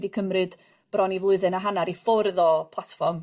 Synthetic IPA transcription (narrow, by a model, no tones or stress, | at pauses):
ðikʰəmrɨd̥ | b̥rɔnivlˠʊɨðɨnaɦanaɾifʊrðɔpʰlˠatfɔrm